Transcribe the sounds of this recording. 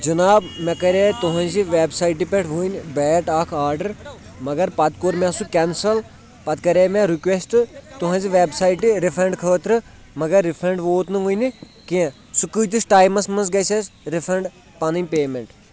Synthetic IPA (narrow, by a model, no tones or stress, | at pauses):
d͡ʒɐnaːbmɐ̃kɐɾeːt̪uɦɐ̃nziʋeːbsaːiʈ̬ipeʈʰʋuːinbɛːʈaːkʰaːɾɖɐɾ | mɐɡɐɾpɐt̪koːɾmɛ̃sukɛnsɐl | pɐt̪kɐɾeːmẽɾikʋesʈɨt̪uɦɐ̃ːnziʋeːbsaːiʈiɾifʰɾẽɳɖkʰəːt̪ɾɨ | mɐɡɐɾːifʰɾẽɳɖʋoːt̪nɨʋuːini | kiẽ | sukɨːt̪isʈaːjmɐsmɐnzɡɐjsɐsɾifʰɾɐɳɖ | pɐnimʲpeːmeɳʈ